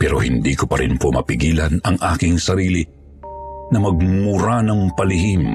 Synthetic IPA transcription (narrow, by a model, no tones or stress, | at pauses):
pɛːɾohɪnd̪ikopɐɾɪnpomɐ̰pɪɡiːlɐnɐŋʔaːkɪŋsɐɾiːli | nɐmɐɡ̚mʊɾanɐŋpɐlɪhim